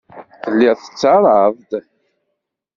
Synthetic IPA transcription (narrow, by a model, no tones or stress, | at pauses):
θəlːɪʁθə̥t͡sːɑɾˤəvd̪